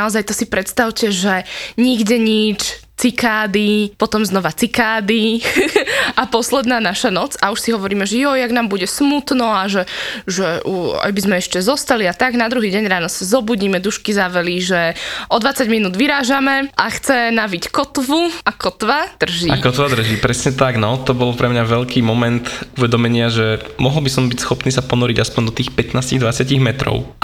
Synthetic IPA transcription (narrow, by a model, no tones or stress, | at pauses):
naɔzajt̪ɔsipɾɛt̪st̪aʊcɛʒɛɲiɡɟɛɲit͡ʃ | t͡sikaːd̪ipɔt̪ɔmznɔʋat͡sikaːd̪i | ʔapɔslɛd̪naːnaʃanɔt͡sauʃsiɦɔʋɔɾiːmɛʒɛjɔjaɡnaːmbuɟɛsmut̪nɔaʒɛʒɛʔua̰jbizmɛɛʃcɛzɔst̪aliat̪aɡnad̪ɾuɦiːɟɛɲɾaːnɔsazɔbuɟiːmɛd̪uʃkizaʋɛliʒɛʔɔd̪ʋat͡saɟminuːd̪ʋiɾaːʒamɛʔaxt͡sɛnaʋickɔt̪ʋuakɔt̪ʋad̪̥r̩ʒiakɔt̪ʋad̪r̩ʒiːpɾɛsɲɛt̪aɡnaɔt̪ɔbɔlpɾɛmɲaʋɛʎkʰiːmɔmɛnt̪uʋɛd̪ɔmɛɲɪaʒɛmɔɦɔl̩bisɔmbicsxɔpniːsapɔnɔɾiɟaspɔɲd̪ɔt̪iːxpɛt̪naːsciɣd̪ʋat͡sɪaciɣmɛt̪ɾɔ̰ʊ